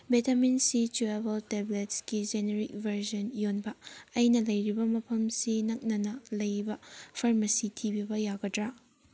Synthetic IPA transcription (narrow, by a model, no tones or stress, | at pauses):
betɐminsit͡ʃuebɐltebletskid͡ʒeneɾik̚bʱɐɾd͡ʒɐnjonbɐɐjnɐlɐjɾibɐmɐpʰɐmsinɐk̚nɐnɐlɐjbɐpʰɐɾmɐsitʰibibɐjaɡɐdɾa